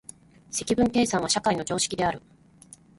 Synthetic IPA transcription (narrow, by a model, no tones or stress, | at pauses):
se̞kʲibɯ̟̃ŋke̞ːsãɰ̃βaɕakaino̞d͡ʑo̞ːɕi̥kʲid̪e̞aɾɯ̟